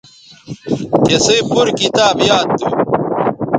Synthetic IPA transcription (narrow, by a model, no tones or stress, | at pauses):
kesejpuɾkit̪aːbjaːd̪ːu